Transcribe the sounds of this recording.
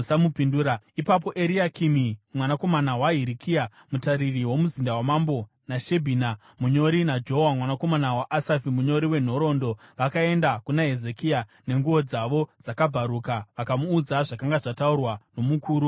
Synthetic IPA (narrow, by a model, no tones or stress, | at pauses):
amupinduːɾaipap̬o̞ʔe̞ɾiakʰimimwanako̞manawaɦiɾikʰia | mutaɾiriwo̞muzindawamambo̞ | naʃe̞bʱiːna | muɲo̞ɾinad͡ʒo̞ɦowamwanako̞manawaʔasafimuɲo̞ɾiwe̞n̤o̞ɾo̞ːndo̞ʋakae̞ndakunaɦe̞ze̞kiane̞ŋɡuo̞d͡zaʋo̞d͡zakabʱaɾukaʋakamuːd͡zaʐakaŋɡaʐataurwano̞mukʰuːɾu